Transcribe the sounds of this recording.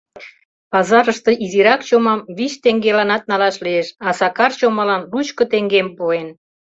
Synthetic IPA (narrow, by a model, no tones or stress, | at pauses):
pɑzɑɾəʃt̪ɤʔiziɾɑkt͡ɕomɑmβit͡ɕt̪eŋɡelɑnɑt̪̚nɑlɑʃlieʃɑsɑkɑrt͡ɕomɑlɑnlut͡ɕkŏt̪eŋɡempuen